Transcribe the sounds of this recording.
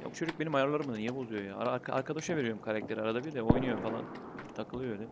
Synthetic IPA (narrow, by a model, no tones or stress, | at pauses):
ja̰but͡ʃʰod͡ʒyk̚c̚be̞nimajaɾlˠaɾɯmɯd̪ɯnjebozujo̞ja̰ːɾkʰa̰ɾkʰad̪aʃave̞ɾijo̞ɾumkʰaɾac̚t̪ʰe̞ɾaɾad̪abiɾd̪ɛo̞jnujofalˠa̰n | t̪ʰakʰɯlˠɯølʲɛ